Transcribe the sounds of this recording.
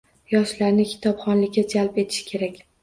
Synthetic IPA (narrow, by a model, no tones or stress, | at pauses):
jɒʃlaɾnɪkʲʰɪ̥t̪ʰɒpχɒnlɪkʲːad͡ʒalpe̞t̪ʰɪ̥ʃkʲʰe̞ɾakʲ